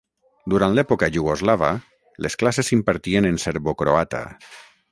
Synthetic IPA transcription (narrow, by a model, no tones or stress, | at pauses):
d̪uɾant̪lɛpokaʒuɣozlaβa̰ | lesklasesimpaɾt̪ienenseɾβokɾoat̪a̰